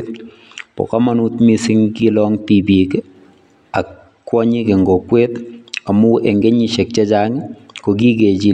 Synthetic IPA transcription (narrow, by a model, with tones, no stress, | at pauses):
t̚ | pɔ̰˨ka˦ma˦nu˦tmi˦si˦ŋki˦lɔŋtibi˨k | a˨kː | wɔ˦ɲi˦ke˨ŋɡɔ˨kwe˦ta˨mu˦ɛ˨ŋɡe˦ɲi˨ʃɛ˨k̚t͡ʃe˦t͡ʃa˦ŋko˨ki˦ke˨d͡ʒi˦